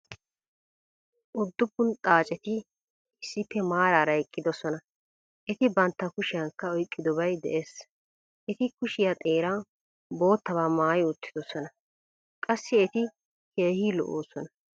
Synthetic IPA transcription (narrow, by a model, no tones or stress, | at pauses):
ʔʊd̪ːʊpːʊnt̪ʼaːt͡ʃʼɛt̪ɪ | ɪsːɪpːɛmaːɾaːɾɐjkʼːɪd̪ɔsɔnɐ | ʔɛt̪ɪbɐnt̪ːɐkʊʃɪjɐŋkːɐɔjkʼːɪd̪ɔbɐjd̪ɛ̰ʔeːs | ʔɛt̪ɪkʊʃɪjɐt̪ʼe̞ːɾaː | bo̞ːt̪ːɐβaːmaːjʊt̪ːɪd̪ɔsɔnɐ | kʼɐsːɪɛt̪ɪ | keːhiːlɔ̰ʔoːsɔnɐ